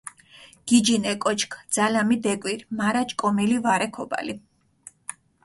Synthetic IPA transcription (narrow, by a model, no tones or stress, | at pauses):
ɡ̥id͡ʒinɛkʼɔt͡ʃʰkʰd̪z̥alamid̪ɛkʼwiɾmaɾat͡ʃʼkʼɔmilivaɾɛkʰɔba̰li